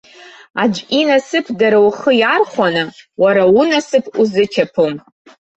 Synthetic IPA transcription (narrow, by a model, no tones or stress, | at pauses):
ad͡ʒʷʔʲinasɨpʰdaɾawχəjarχʷanɨwaɾaunasɨpʰuzɨtʲʰapʰom